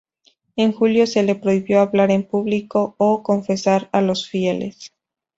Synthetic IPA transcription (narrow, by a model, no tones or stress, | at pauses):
e̞ŋxuljo̞se̞le̞pɾo̞iβjo̞aβlaɾe̞mpuβliko̞ːko̞ɱfe̞saɾalo̞sfje̞lḛs